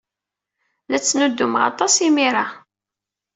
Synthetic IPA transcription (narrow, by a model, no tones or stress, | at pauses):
læt͡sːnud̪ːumʁɑ̰t̪ˤːɑsimiɾˤɑ